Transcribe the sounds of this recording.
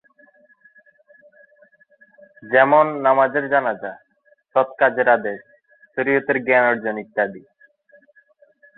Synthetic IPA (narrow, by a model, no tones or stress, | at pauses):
d͡ʑɛmonːamad͡ʑeɾd͡ʑanad͡ʑa | ʃɔt̪kad͡ʑeɾad̪eʃ | ʃoɾijot̪eɾɡɛnoɾd͡ʑonik̚d̪ad̪i